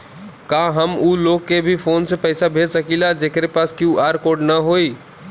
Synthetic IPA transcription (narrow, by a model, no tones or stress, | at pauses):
kãɦəmuːloːkːebʱipʰoːnsepəɪsabʱeːsəkilad͡ʒeːkɾepaːskjuʔaːɾkoːɖnəɦoːi